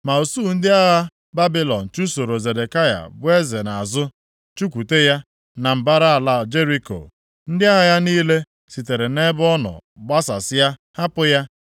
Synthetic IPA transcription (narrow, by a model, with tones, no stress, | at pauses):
ma˨o˨su˦˨n̩˦dɪ˦a˦ɣa˦ | ba˦bi˦lɔ˨n̩˨t͡ʃu˦so˨ɾo˨ze˨de˨ka˦ja̰˨bʊ˦e˦ze˨na˨a˨zʊ˦ | t͡ʃu˦kʷu˨te˦ja˦ | na˨m̩˨ba˦ɾa˦a˨la˦˨d͡ʒe˦ɾi˦ko̰˨ | n̩˦dɪ˦a˦ɣa˦ja˦niː˦le˦ | si˨te˨ɾe˨ne˦bɔ˦nɔ̰˨ɡ͡ba˦sa̰˨sɪ˦ja˦ | ha˦pʊ˦ja˦